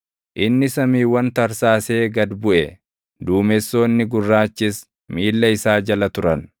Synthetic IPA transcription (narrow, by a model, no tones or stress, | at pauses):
ʔɪnːɪsɐmiːwːɐnt̪ɐɾsaːse̞ːɡɐd̪bʊʔɛ | d̪uːmɛsːo̞ːnːɪɡʊrːaːt͡ʃːɪs | miːlːɐɪsaːd͡ʒɐlɐt̪ʊɾɐn